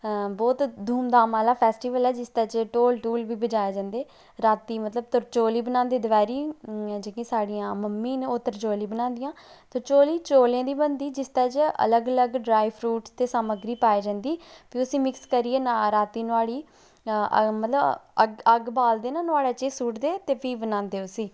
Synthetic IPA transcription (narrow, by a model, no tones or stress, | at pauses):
bɔːt̪d̪ʱuːmd̪aːmaːlaːpʰɛːsʈiːʋəlɛːd͡ʒɪst̪ɛːt͡ʃʈoːlʈuːlbiːbəd͡ʒaːjeːd͡ʒãːnd̪eː | ɾaːt̪iːmət̪ləb̚t̪ʊɾt͡ʃoːliːbənãːnd̪eːd̪əʋaːɾiːd͡ʒeːkẽːsaːɽɪjãːməmːĩːnot̪ːəɾt͡ʃoːliːbənãːnd̪ɪjãː | t̪ot͡ʃoːliːt͡ʃoːljãːd̪iːbənd̪iːd͡ʒɪst̪ɛːt͡ʃə̰ləɡələɡɖɾaːipʰɾuːʈt̪eːsaːməɡɾiːpaːeːd͡ʒãːnd̪iːpʰiːʊsĩːmɪkskəɾiːeːnaɾaːt̪iːnʊaːɽiː | mət̪ləbə̰ɡəɡbaːld̪eːnanʊaːɽaːt͡ʃeːsuːʈd̪eːt̪eːpʰiːbənãːnd̪eːʊsiː